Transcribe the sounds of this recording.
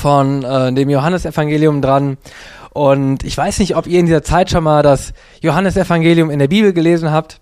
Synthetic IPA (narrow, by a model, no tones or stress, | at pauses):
fɔnɛdeːmjoɦanəsɛfaŋɡeːljʊmdʁanʔʊntɪçv̥aɪsnɪçtʔɔpiːɐɪndiːzɐt͡saɪtʃoːnmaːldas | joɦanəsɛfaŋɡeːljʊmɪndeːɐbiːbl̩ɡəleːzn̩ɦaːp̚t